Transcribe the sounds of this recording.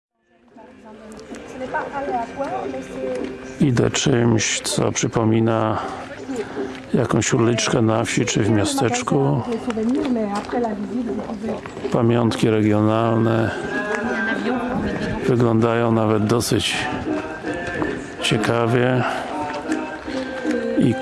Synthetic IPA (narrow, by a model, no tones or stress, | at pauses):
id̪ɛ̰t͡ʂɘmɕt̪sɔ̰pʂɘpɔmʲina | jakɔ̃w̃ɕulʲit͡ʂkɛnafɕit͡ʂɘvmʲjast̪ɛt͡ʂkusuvɛimɛapχɛlavʲizit̪ | pamʲjɔnt̪kʲiɾɛɡʲjɔnalnɛ | vɘɡlɔnd̪ajɔ̃w̃navɛd̪̚d̪ɔsɘt͡ɕ | t͡ɕɛkavʲjɛ | i